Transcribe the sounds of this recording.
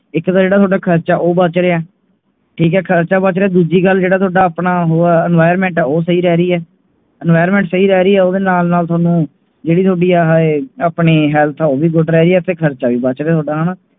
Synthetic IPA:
ɪkt̪aːd͡ʒeːɽat̪oːɖaːkʰəɾt͡ʃaːʔoːbət͡ʃɾeːaː | ʈʰiːkɛːkʰəɾt͡ʃaːbət͡ʃɾeaːd̪uːd͡ʒiːɡəlːd͡ʒeːɽaːt̪ʰoaːɖaːapnaːɦoːɛnʋaːɪəɾmɛ̃ːɳʈɛːoːsəiːɾɛːɾiːɛː | ɛnʋaːəɾmɛ̃ːɳʈsəiːɾɛːɾiːɛːoːd̪eːnaːlnaːlt̪ʰaːnũː | d͡ʒeːɽiːt̪ʰoːɖiːaːɦaeaːpneːɦɛːlt̪ʰːoːʋiːɡʊʈɾɛːɾiːɛːt̪eːkʰəɾt͡ʃaːʋiːbət͡ʃɾeaːt̪ʰoaːɖaːɦənaː

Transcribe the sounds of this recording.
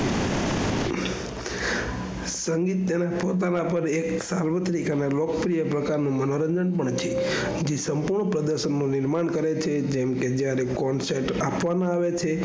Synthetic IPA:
səŋɡit̪̚ːənapot̪̬anapəɾeksalʋət̪ɾikanalokəpɾijəpɾəkaɾnũmənoɾəɲd͡ʒəɳpəɳt͡ʃʰe | d͡ʒesəmpuɾɳəpɾəd̪əɾʃənːuniɾmaɳkəɾet͡ʃʰed͡ʒɛmked͡ʒjaɾekɔnseʈapʋanãaʋet͡ʃʰe

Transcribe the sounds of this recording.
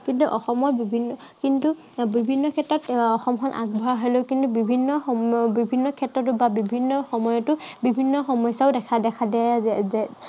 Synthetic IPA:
kintuʔɔxɔmɔɹbibʱinːɔkintu | bibʱinːɔkʰɛtɹɔtɔxɔmkʰɔnʔa̰ɡbʱawɦelokintubibʱinːɔɔbibʱinːɔkʰɛtɹɔt̬ʊbabibʱinːɔxɔmɔjɔtʊbibʱinːɔxɔmɔjsaʊdɛkʰadɛkʰadɛazɛzɛ

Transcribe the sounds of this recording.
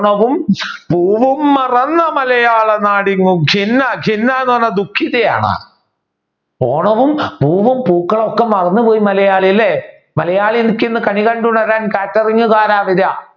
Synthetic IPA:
ɳɐʋum | puːʋumːɐrɐnːɐmɐlɐjaːɭɐnaːɽiŋːuɡʱinːɐɡʱinːanoːnːɐd̪ukʰːiðɐja̰ːɳɐ̰ | poːɳɐʋumpuːʋumpuːkːɐɭokːemɐrɐnːɨpo̞ːjimɐlɐjaːɭilːe | mɐlɐjaːɭienikʲːenːɨkɐɳikɐɳɖuɳɐɾaːnkaːtːɐriŋːɨkaːɾaːʋiða

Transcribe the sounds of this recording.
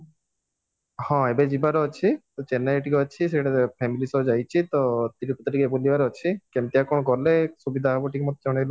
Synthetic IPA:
hɔ̃ebed͡ʒibaɾeɔt͡ʃʰit̪ɔt͡ʃenaiʈikeɔt͡ʃʰis̬eʈapʰɛmilisɔd͡ʒajt͡ʃʰit̪ɔt̪iʈiput̪ʈikebulibaɾeɔt͡ʃʰikɛmt̪iakɔɽ̃ɔkɔɾlesubid̪ʱaɦabɔʈikemɔt̪ɔd͡ʒɔɽ̃ajlɔ

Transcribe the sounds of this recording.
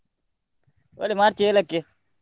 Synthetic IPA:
wa̰limaɾt͡ʃelakːe

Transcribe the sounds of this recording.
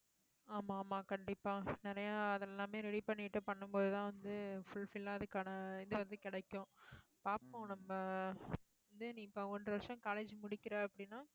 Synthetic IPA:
aːmaːmaːkɐɳɖɪpːaːnɪɾɐjaːɐðɛlːãːmeːɾɛɽipɐɳːɪʈːɯpɐɳːɯmpoːðɯt̪ãːʋɐnd̪ɯfʊɭfɪlːaːɐðɯkːaːnɐɪðɯʋɐnd̪ɯkɪɽɐkːʊ̃paːpːõnɐmːɐ | ɐnd̪ɯnĩːɪpːõːɔndrɯʋɐɾʂɐ̃kaːleːd͡ʒmʊɽɪkːɪɾaːɐpːɐɽɪnːaː

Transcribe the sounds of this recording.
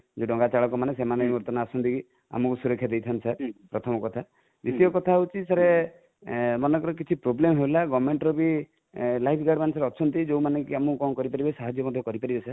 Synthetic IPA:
d͡ʒeɖɔŋɡat͡ʃaɭɔkɔmanesemanemuɾt̪ɔnaːsɔnt̪iki | a̰mɔkusuɾɔkʰjad̪ejt̪ʰant̪isʰaɾpɾɔt̪ʰɔmɔkɔt̪ʰa | d̪it̪iɔkɔt̪ʰaut͡ʃʰisaɾe | mɔnɔkɔɾɔk̬it͡ʃʰipɾoblemɦewlaɡɔmeɳʈɾɔbi | lajpʰɡaɖmanesaɾeɔt͡ʃʰɔnt̪id͡ʒowmanekiamũkɔŋkɔɾipaɾibasaɦad͡ʒjɔmɔd̪ʱjɔkɔɾipaɾibesa

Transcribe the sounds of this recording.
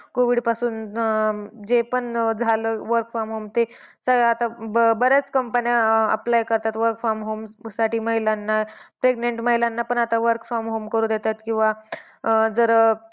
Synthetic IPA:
koʋiɽpasuːn | d͡zepəɳd͡zʱaləʋəɾkfaɾmɦomt̪esəɡat̪abəɾat͡skəmpənjaə̰plajkəɾt̪at̪ʋəɾkfamɦomsaʈiːməɦilanːapɾeɡneɳʈməɦilanːapəɳat̪aʋəɾkfamɦomkəɾũːd̪et̪at̪kĩw̃ʋa | d͡zəɾə

